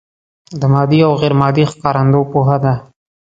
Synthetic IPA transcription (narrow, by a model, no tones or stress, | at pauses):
d̪əmɑd̪iawɣeɾmɑd̪ixkɑɾand̪opoɦad̪a